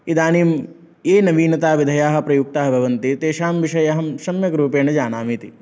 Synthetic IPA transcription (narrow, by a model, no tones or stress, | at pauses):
id̪aːniːm | eːnɐʋiːnɐt̪aːʋid̪ʱɐjaːɦɐ̆pɾɐjuk̚t̪aːɦɐbʱɐʋɐnt̪it̪eːʃaːmʋiʂɐjɐɦɐmʃɐmjɐkɾuːpeːnɐd͡ʒaːnaːmiːt̪i